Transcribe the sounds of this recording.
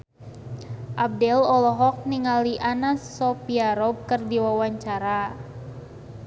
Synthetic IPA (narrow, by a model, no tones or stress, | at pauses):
ʔab̚dɛlɔlɔɦɔk̚niŋaliʔanasːɔpiaɾɔb̚kərdiwawaɲt͡ʃaɾa